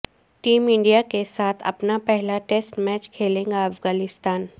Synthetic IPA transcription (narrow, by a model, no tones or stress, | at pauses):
ʈiːmɪ̃ɳɖijakesaːt̪ʰɐ̰pnapɛɦlaʈeːsʈmɛːt͡ʃkʰeːlẽːɡaɐfɡaːnɪst̪aːn